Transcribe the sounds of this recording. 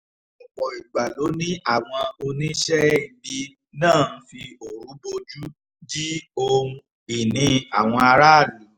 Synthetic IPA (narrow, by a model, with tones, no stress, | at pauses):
k͡pɔ˨i˨ɡ͡ba˨lo˨˦nĩ˦ʔa˦˨w̃ɔ̃˧o˧nĩ˦ʃɛ˦i˦˨˧bi˧ | nãː˦˨n̩˦fi˧o˨ɾũ˨˦bo˧d͡ʒu˦ | d͡ʒi˦o˧ũ˧ | i˨nĩ˧a˨w̃ɔ̃˧a˧ɾa˦˨lũ˨˦